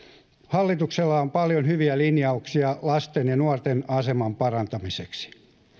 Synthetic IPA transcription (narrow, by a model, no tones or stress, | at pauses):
hɑlːit̪ukselːɑompɑljonhyʋiælinjɑuksiɑlɑst̪enjɑnuɑrt̪enɑsemɑmpɑrɑnt̪ɑmiseksi̥